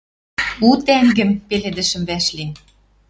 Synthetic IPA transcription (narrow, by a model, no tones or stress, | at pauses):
ut̪æŋɡɘ̆mpeled̪ɘ̆ʃə̆mβæʃli